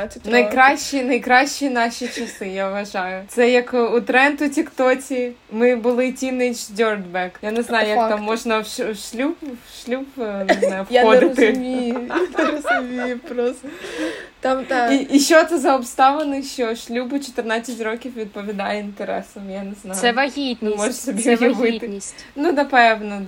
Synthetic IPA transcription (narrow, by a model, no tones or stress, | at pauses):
nɐjkɾɑʃːinɐjkɾɑʃʲt͡ʃːinɑʃʲit͡ʃɐsɪjaʋɐʒɑjʊt̪sɛjɐkut̪ɾɛnt̪ʊtʲikt̪ɔtʲimɪbʊlˠɪtʲinɪt͡ʃdʲɔrd̪bɛkjaneznɑjʊjɐkt̪amːɔʒnɐwʃʃlʲupːʃlʲubnɪzajʊfjɔdd̪ɪt̪ɪmʲid̪ɐɾɐsɐmʲipɾɔst̪ɔt̪amt̪aiʔiʃɔt̪ɛzɐɔpst̪aʋɐnɨʃɔʃlʲubʊt͡ʃɔ̥t̪ɪrnat̪ʲsʲɐtʲrokʲifʋʲid̪̚pɔʋʲid̪ajɛint̪eɾɛ̰sɔmjanɪznajsɛvɐɣʲit̪nmɔʒsɔbʲɛʋɪʋɪt̪ɪnʲnud̪ɐpɛwnɐd̪